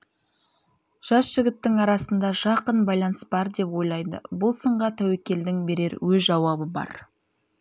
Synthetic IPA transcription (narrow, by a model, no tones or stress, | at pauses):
ʒ̥ɑsʒ̥ɪɡʲɪt̪ːɪŋɑɾɑsənd̪ɑʒɑqənbɑjlˠɑnəsbɑɾd̪e̞pwo̞jlˠɑjd̪ə̰bʊlˠsəɴʁɑt̪ʰæwe̞kʲe̞ld̪ɪŋbe̞ɾe̞ɾwɵzʒɑwɑbəbɑ̰ɾ